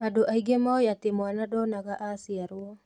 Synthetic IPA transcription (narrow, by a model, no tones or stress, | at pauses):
adoʔaiɡemaɔjat̪emwanadɔnaɣaʔasiaɾua